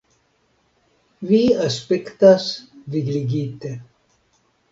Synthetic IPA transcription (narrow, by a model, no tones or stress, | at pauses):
ʋiɐspikt̪asviɡliɡiːt̪e